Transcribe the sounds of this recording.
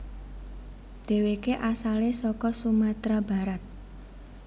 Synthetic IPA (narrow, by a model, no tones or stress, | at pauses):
d̪̥e̤wekeʔasalesɔkɔsumat̪ɾaba̤ɾat̪̚